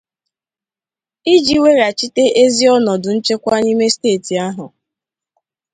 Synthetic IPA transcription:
i˦d͡ʒi˨˦we˦ɾa˨t͡ʃi˦te˦ʔe˦zi˦ɔ˦nɔ˨dʊ˨n̩˦t͡ʃe˦kʷa˦ni˦me˦steː˦˨ti˨a˦ɦʊ˨

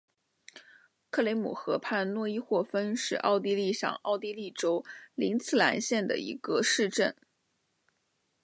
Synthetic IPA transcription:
kʰɤ˥˩le˧˥ɪmṵ˨˩xɤ˧˥pʰa˥˧nnwɔ˥˧i˥˧xwɔ˥˩fə˥nʂɻ̩˥˩ʔɑ̰˥˧ʊt̪̬i˥li˥˩ʂɑ̰˨˩ŋɑ˥˧ʊt̪i˥li˥˩ʈ͡ʂo˥ʊli˧˥nt͡sʰɹ̩˥˩la̰˧˥nɕjɛ˥˩nd̪ə̰˩ḭ˧˥ɡə˧ʂɻ̩˥˧ʈ͡ʂə˥˩n

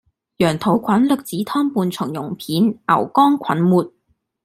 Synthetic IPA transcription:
jœː˨˩ŋt̪ʰo˨˩wkʷʰɐ˨˥nlɵ˨k̚t͡siː˨˥t̪ʰɔː˥ŋpuː˧nt͡sʰʊ˨˩ŋjʊ̰˨˩ŋpʰiː˨˥nɐ̰˨˩wkɔː˥ŋkʰɐ̰˨˥nmuː˨t̚

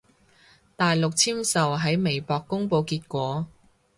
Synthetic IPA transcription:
t̪aː˨jlʊ˨k̚t͡sʰiː˥msɐ˨wɦɐ˨˥jme˨˩jpɔː˨˧kːʊ˥ŋpo˧wkiː˧t̚kʷɔː˨˥

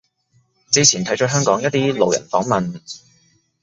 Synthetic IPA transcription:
t͡siː˧t͡sʰiː˨˩nt̪ʰɐ˨˥jt͡ʃœː˨˥ɦœː˥ŋkɔː˨˥ŋjɐ˥t̚t̪iː˥lo˨wjɐ̰˨˩nfɔː˨˥ŋmɐ˨n

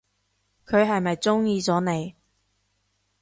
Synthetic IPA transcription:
kʰɵ˨˧ɥɦɐ˨jmɐ˨jt͡sʊ˥ŋjiː˧t͡sɔː˨˥ne˨˧j

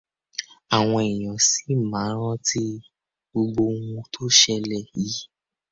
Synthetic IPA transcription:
a˨w̃ɔ̃˧ɛ˨j̃ɔ̃˨si˨˦˨mãː˨˦ɾ̃ɔ̃˦ti˦ | bo˧ɡ͡bo˧ŋũ˧tʰo˦ʃɛ˧lɛ˨ji˨˦

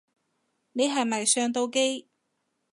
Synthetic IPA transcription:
ne˨˧jɦɐ˨jmɐ˨jsœː˧ŋt̪o˧wke˥j

